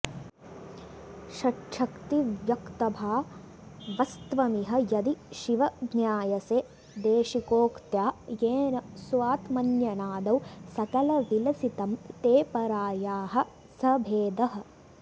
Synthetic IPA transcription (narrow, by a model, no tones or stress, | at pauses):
ʃɐʈʂʰɐkt̪iʋjɐkt̪ɐbʱaː | ʋɐst̪ʋɐmiɦɐ̆jɐd̪iʃiʋɐɡ̪njaːjɐseː | d̪eːʃikoːkt̪jaːjeːnɐsʋaːt̪mɐnjɐnaːd̪ɐwsɐkɐlɐʋilɐsit̪ɐmt̪eːpɐɾaːjaːɦɐ̆ | sɐbʱeːd̪ɐɦɐ̆